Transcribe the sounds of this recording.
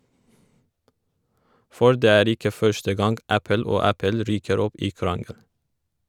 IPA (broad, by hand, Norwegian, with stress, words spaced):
ˈfɔɾ ˈdeː ˈæːɾ ˈɪkə ˈfœʃtə ˈɡɑŋɡ ˈæpəl ˈoː ˈæpəl ˈɾyːkəɾ ˈɔp ˈiː ˈkɾɑŋəl